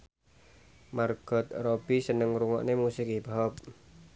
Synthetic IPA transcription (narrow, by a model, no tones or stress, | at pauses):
marɡ̥ɔ̤t̪̚rob̥isənəŋɾuŋɔ̰ʔnemusɪkibaɔp̚